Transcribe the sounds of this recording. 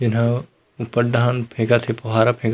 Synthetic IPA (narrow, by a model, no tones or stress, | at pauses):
d͡ʒɪnɦã | ʊpəɖaːnpʰẽːɡat̪ʰepɐɦaːɾapʰẽːɡ